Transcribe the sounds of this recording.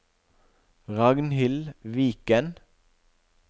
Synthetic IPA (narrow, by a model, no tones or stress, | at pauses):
ʁɑɡnhɪlʋiːkən